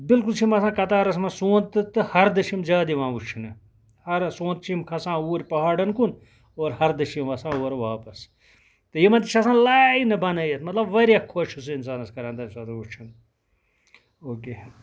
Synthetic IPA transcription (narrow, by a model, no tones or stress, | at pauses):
bilkult͡ʃʰimɐsãːkɐt̪aːɾɐs̬mɐsũːnt̪ɨt̪ːɨhɐɾd̪ɐʃimzaːd̪iʋãːʋut͡ʃʰinɨ | hɐɾsõːnt̪̚t͡ʃʰimkʰɐsãːuːɾʲpɐɦaːɖɐnkun | oːɾhɐɾd̪ɐʃimʋɐsãːuːɐɾʋaːpɐs | t̪ɨjimɐt̪it͡ʃʰɐsãːlaːinɐbɐnɐːjɐt̪mɐt̪lɐbʋɐɾjakʰoʃusɨinsaːnɐskɐɾãːnd̪ɐnsaːt̪ut͡ʃʰin | oːkeː